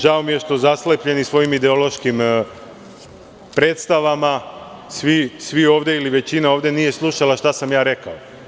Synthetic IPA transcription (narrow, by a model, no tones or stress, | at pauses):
ʒao̞mije̞ʃt̪o̞zaslepʎe̞nisʋo̞jimid̪eo̞lˠo̞ʃkim | pɾe̞ːt̪st̪aʋama | sʋisʋio̞ːʋd̪e̞iliʋe̞t͡ɕinao̞ːʋd̪e̞nije̞slˠuʃalaʃt̪asamjaːɾe̞kao